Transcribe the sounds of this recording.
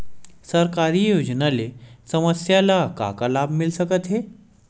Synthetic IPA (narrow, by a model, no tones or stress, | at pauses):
səɾkaɾijoːd͡ʒnalesəməsjalaka̰kalaːbʱmɪlsəkət̪ɦeː